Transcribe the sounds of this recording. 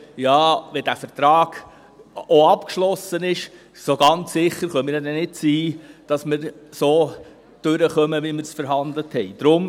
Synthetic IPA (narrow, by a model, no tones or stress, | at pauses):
jɑːʋɛdæfəɾt̪ɾɑːɡ̥ | oɑpkʃlɔsənɪʃ | soɡɑnt͡sːɪχːəɾχœmɪɾjɑdɛnɪt̚t͡siːd̥ɑsmɪɾsoː | d̥ʉɾəχœməʋiməɾsfəɾɦɑnd̪ləthɛɪd̥ɾʊm